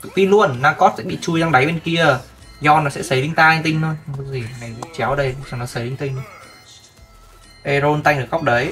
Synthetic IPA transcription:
fi˧lu˧ənːaː˧kɔ˦˥t̚sɛ̰˧˥ɓḭ˧˨t͡ɕu˧jza˧ŋɗa˨˦jɓe˧nki˧ə | zɔ˧nɔ˨˦sɛ̰˧˥sə˨˦jɗï˧˦ŋ̟t̪aː˧ŋt̪ï˧ŋ̟t̪ʰo˧jɨ˨˦zi˨˩˨na˨˩jkṵ˧˥t͡ɕɛ˨˦wɗə˧j̚za˨˩nɔ˨˦sə˨˦jɗï˧ŋ̟t̪i˧ŋ̟˧ | ʔe˧zo˧nt̪a˧jŋ̟ɗɨ˨˩kɣa˦˥wk͡p̚ɗə˨˦j

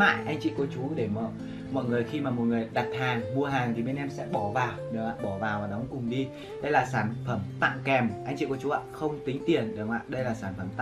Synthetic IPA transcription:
ma̰ː˧˨jʔa˧jŋ̟t͡ɕḭ˧˨ku˧˩ət͡ɕu˨˦ɗe˧˩mɔ˧˨ | mɔ̰˧˨jŋɨ˨˩əjxi˧maː˨˩mo˨˩t̚ŋɨ˨˩əjɗa˨˩t̚haː˨˩ŋmu˧əɦaː˨˩ŋt̪ʰi˨˩ɓe˧nʔɛ˧msɛ̰˧˥ɓɔ˧˩vaː˨˩wɗɨ˨˧˩ŋwa̰ː˧˨ɓɔ˧˩vaː˨˩waː˨˩ɗɔ˨˦wŋ͡mkʊ˨˩ŋ͡mɗi˧ | ɗə˧jlaː˨˩saː˧˩nfə˧˩mt̪a̰˧˨ŋkɛ˨˩mʔa˧jŋ̟t͡ɕḭ˧˨ku˧˩ət͡ɕu˨˦a̰ː˧˨xə˧wŋ͡mt̪ï˨˦ŋ̟t̪i˨˩ənɗɨ˨˩ŋwa̰ː˧˨ɗə˧jlaː˨˩saː˧˩nfə˧˩mt̪a̰˧˨

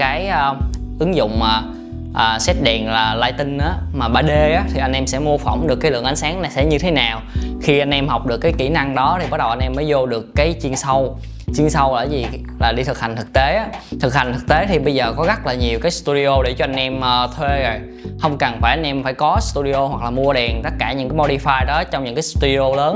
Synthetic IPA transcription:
kaː˨˦jʔə˧ | ʔɨ˨˦ŋzʊ̰˧˨ŋ͡maː˨˩ | ʔəː˨˩sɛ˦˥t̚ɗɛ˨˩nlaː˨˩laː˧jt̪ï˧ŋ̟ʔaː˨˦maː˨˩ɓaː˧˩ɗe˧ʔaː˨˦t̪ʰi˨˩ʔa˧jnʔɛ˧msɛ̰˧˥mu˧əfɔ̰˧˩wŋ͡mɗɨ˨˩əkːaː˨˦lɨ̰˧˨əʔa˨˦ŋ̟saː˨˦ŋna˨˩jsɛ̰˧˥ɲɨ˧t̪ʰe˨˦naː˨˩wxi˧ʔa˧jn̟ʔɛ˧mhɔ˨˩wk͡p̚ɗɨ˨˩kːaː˨˦jki˧˩na˧ŋɗɔ˨˦t̪ʰi˨˩ɓa˦˥ɗə˨˩wʔa˧nʔɛ˧mːəː˨˦jzo˧ɗɨ˨˩əkːaː˨˦jt͡ɕi˧ənsə˧w | t͡ɕi˧ənsə˧wla̰ː˧˩zi˨˩ | laː˨˩ɗi˧t̪ʰɨ˨˩k̚ha˨˩ŋ̟t̪ʰɨ˨˩k̚t̪e˨˦ʔaː˨˦t̪ʰɨ˨˩k̚ha˨˩jŋ̟t̪ɨ˨˩k̚t̪e˨˦t̪ʰi˨˩ɓə˧jzəː˨˩kɔ˨˦ɣt̚laː˨˩ɲi˨˩əwkaː˨˦jst̪u˧ɗi˧ʔo˧ɗe˧˩t͡ɕɔ˧ʔa˧jn̟ʔɛ˧mʔəː˧t̪ʰwe˧zo˨˩j | hə˧wŋ͡mkə˨˩nfaː˧˩jʔa˧ŋnʔɛ˧mfaː˧˩jkɔ˨˦st̪u˧ɗi˧ʔo˧hwa˨˩k̚laː˨˩mu˧əɗɛ˨˩nt̪ə˦˥t̚kaː˧˩ɲɨ̰˧˥kaː˨˦jmo˧ɗi˧faː˧jɗɔ˨˦t͡ɕɔ˧wŋ͡mɲɨ̰˧˥ŋkaː˨˦jst̪u˧ɗi˧o˧ləː˨˦n

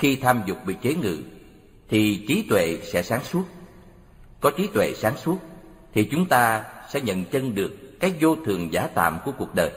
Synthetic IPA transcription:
xi˧t̪ʰaː˧mzʊ˨˩k͡p̚ɓḭ˧˨t͡ɕe˨˦ŋɨ̰˧˨ | t̪ʰi˨˩t͡ɕi˨˦t̪wḛ˧˨sɛ̰˧˥saː˨˦ŋsu˦˥ət̚ | kɔ˨˦t͡ɕi˨˦t̪wḛ˧˨saː˨˦ŋsu˦˥ət̚ | t̪ʰi˨˩t͡ɕʊ˨˦ŋ͡mt̪aː˧sɛ̰˧˥ɲə̰˧˨nt͡ɕə˧nɗɨ˨˩əkːaː˦˥k̚zo˧t̪ʰɨ˨˩əŋzaː˨˦t̪a̰ː˧˨mku˧˩əku˨˩ək̚ɗəː˨˩j

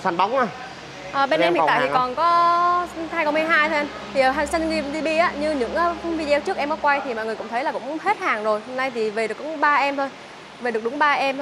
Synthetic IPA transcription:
sa˧nɓa˨˦wŋ͡mʔaː˧˩ | ʔəː˨˩ɓe˧nʔɛ˧mhḭ˨t̪aː˨t̪ʰi˨˩˨kɔ˨˩nkɔ˨˦ | haː˧jkə˧wmɨ˧jɦaː˧jt̪ʰo˧ʔa˧mt̪ʰi˨˩ʔəː˨˩ɦa˨˩ŋsə˧nɗi˧ɗi˧ɓi˧ʔaː˨˦ɲɨ˧ɲɨ̰˧˥ŋʔːxə˧˦wŋ͡mvi˧zt͡ɕɨ˦˥ək̚ʔɛ˧mkɔ˨˦kwa˧jt̪ʰi˨˩mɔ̰˧˨jŋɨ˨˩əkʊ̰˧˥ŋ͡mt̪ʰə˨˦jlaː˨˩kʊ̰˧˥ŋ͡mhe˦˥t̚haː˨˩ŋzo˨˩jho˧mna˧jt̪ʰi˨˩ve˨˩ɗɨ˨˩əkɓaː˧ʔɛ˧mt̪ʰo˧j | ve˨˩ɨ˨˩ək̚ɗʊ˨˦ŋ͡mɓaː˧ʔɛ˧mt̪ʰ

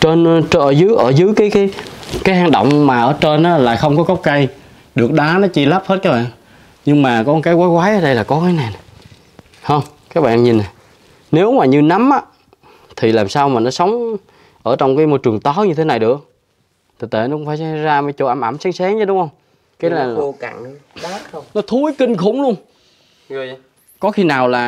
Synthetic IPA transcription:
t͡ɕe˧n˧ʔəː˧˩zɨ˨˦jʔəː˧˩zɨ˨˦jkaː˨˦jkaː˨˦jkaː˨˦jhaː˧ŋɗə̰˧˨wŋ͡mmaː˨˩ʔəː˧˩t͡ɕe˧nʔaː˨˦la̰ː˨˩jxə˧wŋ͡mkɔ˨˦ɣə˦˥wk͡p̚kə˧j | ɗɨ˨˩ək̚ɗaː˨˦nɔ˨˦t͡ɕi˧laː˦˥p̚hə˦˥t̚kaː˦˥ɓa̰ː˧˨n | ɲɨ˧ŋmaː˨˩kɔ˨˦kaː˨˦jkwaː˨˦kwaː˨˦jʔəː˨˧˦ɗə˧jlaː˨˩kɔ˨˦kaː˨˦jna˨˩jn˨˩ | hə˧wŋ͡mkaː˦˥k̚ɓa̰ː˧˨nɲi˨˩na˨˩ | ne˨˦wmaː˨˩ɲɨ˧na˨˦mʔaː˧˦ | t̪ʰi˨˩laː˨˩msaː˧wmaː˨˩nɔ˨˦sə˨˦wŋ͡m | ʔəː˧˩t͡ɕwŋ͡mkaː˨˦jmo˧˩jt͡ɕɨ˨˩əŋt̪ɔ˨˦ɲɨ˧t̪ʰe˨˦na˨˩jɗɨ˨˩ək̚ | t̪ʰi˨˩t̪ḛ˧˩jnɔ˦kʊ˧˦ŋ͡mfaː˧˩sa˧˦zaː˧maː˨˦jt͡ɕo̰˧˨˩ʔa˧˩mʔa˧˩msa˨˦ŋsɛ˨˦ŋə˧˦ɗʊ˨˦ŋ͡mhə˧wŋ͡m | kaː˨˦la˨˩˧a̰˧˨ŋa˨˦˧nɔ˨˦t̪ʰu˨˦jki˧ŋ̟xʊ̰˧˩˦ŋ͡mlu˧əŋ | zɨ˨˩j | kɔ˨˦xi˧naː˨˩wlaː˨˩

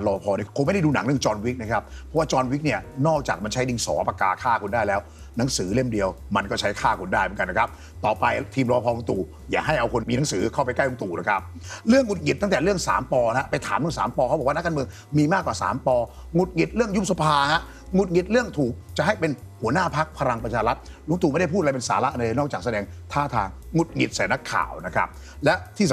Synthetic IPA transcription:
lɔː˧pʰɔː˧ni˥˩kʰo˧˦a˥˩jda˥˩duː˧na̰˨˩˦ŋɾɯ˥˩əŋt͡ɕɔː˧nwi˦˥k̚na˦˥kʰa˦˥p̚pʰːɔ˦˥waː˥˩t͡ɕɔː˧nwi˦˥k̚ni˥˩ənɔː˥˩k̚t͡ɕaː˨˩k̚ma˧nt͡ɕʰa˦˥jdi˧ŋsɔ̰ː˩˦pa˧kaː˧˩kʰaː˥˩kʰo˧ndaː˥˩jlɛː˦˥w | na˩˦ŋsɯː˩˦le˥˩mdi˧əwma˧nkɔː˥˩t͡ɕʰa˦˥jkʰaː˥˩kʰu˧ndaː˥˩jmə˩˦ka˧n˦˥kʰa˦˥p̚ | t̪ɔː˨˩pa˧jt̪ʰiː˧mlɔː˧pʰɔː˧lo˧ŋt̪uː˨˩ | jaː˨˩ɦa˥˩jʔa˧wkʰo˧nmiː˧na˩˦ŋsɯː˩˦kʰa˥˩pa˧jka˥˩jlo˧ŋt̪uː˨˩la˨˦kʰa˦˥p̚ɾɯ˥˩əŋːu˨˩t̪̚ŋi˨˩t̪ːa˥˩ŋt̪ɛː˨˩ɾɯ˥˩əŋsa̰ː˩˦mpɔː˧ha˦˥pa˧jt̪ʰa̰ː˩˦mɾɯ˥˩˨ŋsaː˩˦mpɔː˧kʰa˦˥b̚waː˥˧n˦˥kʰːa˧mɯ˧əŋ | miː˧maː˥˩kːwaː˨˩sa̰ː˨˩˦mpɔː˧ | ŋu˨˩t̪̚ŋi˨˩t̪̚ɾɯ˥˩əŋju˦˥p̚sa˧pʰaː˧ha˦˥ʔ | ŋu˨˩t̪̚ŋi˨˩t̪̚ɾɯ˥˩əŋt̪ʰuː˨˩k̚t͡ɕa˨˩ʔɦa˥˩jpe˧n | hu˩˦ənaː˥˩pʰa˦˥k̚pʰa˧ɾa˧ŋpɾa˧t͡ɕʰaː˧ɾa˦˥t̪̚ | lu˧˦ŋt̪uː˧˦a˥˩da˥˩pʰuː˥˩t̪ʔa˧pe˧nsaː˩˦la˦˥ʔa˧nlɤː˧nɔː˥˩k̚t͡ɕaː˨˩sa˧dɛː˧ŋt̪ʰaː˥˩t̪ʰaː˧ŋŋu˨˩t̪̚ŋi˨˩t̪̚saɛː˨˦na˦˥kʰːa̰ː˨˩wna˦˥kʰa̰˦˥p̚ | lɛ˦˥ʔt̪ʰiː˥˩s

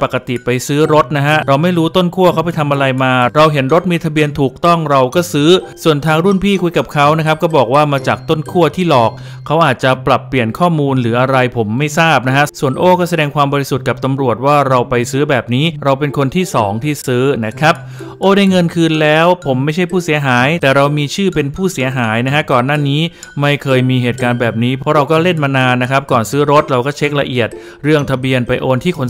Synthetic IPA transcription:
pa˨˩kːa˧t̪i˨˩pa˧jsɯː˦˥ɾo˦˥t̪̚na˦˥kʰa˦˥ɾa˧wma˥˩jɾuː˦˥t̪o˥˩nkʰu˥˩ɐkʰa˦˥wp̬a˧jt̪ʰa˧mʔa˧ɾa˧jmaː˧ɾa˧wɦe˩˦nɾo˦˥t̪̚miː˧t̪ʰa˧bi˧ənt̪ʰuː˨˩k̚t̪ɔ˥˩ŋɾa˧wkɔː˥˩sɯː˦˥su˨˩ənt̪ʰaː˧ŋɾu˥˩npʰiː˥˩kʰu˧jka˨˩p̚kʰa˦˥wna˦˥kʰa˦p̚kɔː˥˩bɔː˨˩k̚waː˥˩maː˧t͡ɕaː˨˩k̚t̪o˥˩nkʰu˥˩ət̪ʰiː˥˩lɔː˨˩k̚ʰːa˦˥wʔaː˨˩t̪̚t͡ɕa˨˩pla˨˩pːli˨˩ənkʰɔː˥˩muː˧nlɯː˩˦ʔa˧ɾa˧jpʰo˩˦mːa˥˩jsaː˥˩p̚na˦˥kʰa˦˥ʔsu˨˩ənʔoː˥˩kɔː˥˩sa˧dɛː˧ŋkʰwaː˧mbɔː˧ɾi˧˥su˨˩t̪̚ka˨˩p̚t̪a˧mɾu˨˩ət̪̚waː˥˩ɾa˧wpa˧jsɯː˦˥bɛː˨˩p̚niː˦˥ɾa˧wpe˧nkʰo˧nt̪ʰiː˥˩sɔː˩˦ŋt̪ʰiː˥˩sɯː˦˥na˦˥kʰɾa˦˥p̚ | ʔoː˧daː˥˩jŋɤ˧nkʰɯː˧nlɛː˦˥wpʰo˩˦mːa˥˩jt͡ɕʰa˥˩jpʰuː˥˩si˩˦ɐɦaː˩˦jt̪ɛː˨˩ɾa˧wmiː˧t͡ɕʰɯː˥˩pe˧npʰuː˥˩si˩˦ɐɦaː˩˦jna˦˥kʰa˦˥kɔː˨˩nːaː˥˩niː˦˥ | ma˥˩jkʰɤː˧jmiː˧ɦeː˨˩t̪̚kaː˧nbɛː˨˩p̚niː˦˥pʰɔ˦˥ɾa˧wkɔː˥˩le˥˩nmaː˧naː˧nːa˦˥kʰɾa˦˥p̚kɔː˨˩nsɯː˦˥ɾo˦˥t̪̚ɾa˧wkɔː˥˩t͡ɕʰe˦˥k̚la˧ʔi˨˩ət̪̚ | ɾɯ˥˩əŋt̪ʰa˧bi˧ənpa˧jʔoː˧nt̪ʰiː˥˩kʰo˧n

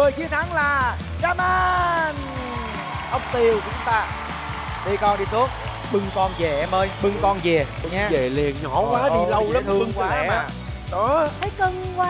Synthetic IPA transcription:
vəː˨˩jt͡ɕi˧ənt̪ʰa˨˦ŋlaː˨˩ | zaː˧˩maː˧n | ʔə˧wŋ͡mt̪i˧˩ə˨wt͡ɕʊ˨˦ŋ͡mt̪aː˧ | ɗi˧jkɔ˧nɗi˧so˦˥t̚ | ɓɨ˨˧˩ŋkɔ˧nze˨˩ʔɛ˧mʔəː˧jɓɨ˧˩ŋkɔ˧nze˨˩˨ɲa˧zḛ˧˨li˨˩ənɲɔ˧˩kwaː˨˦ɗi˧˩lə˧wlə˦˥ɨ˧ŋkwaː˧˩ɛː˨˧˩aː˨˧˩ | ɗɔ˨˦aː˨˦kə˧˩ŋkwaː˧

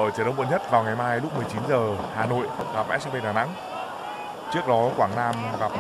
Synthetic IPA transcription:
ʔəː˧˩t͡ɕːɗə˧˦wɓṵ˧˨nɲə˦˥t̚vaː˨˩wŋa˨˩jmaː˧jlʊ˦˥k͡p̚mɨ˨˩əjt͡ɕi˨˦nzəː˨˩haː˨˩no̰˧˨jɣa˨˩p̚ʔɛ˦˥sɛ˧mɓi˧nɗaː˨˩na̰˧˥ŋ | t͡ɕɨ˦˥ək̚ɗɔ˨˦kwaː˧˩ŋnaː˧mɣa˨˩p̚

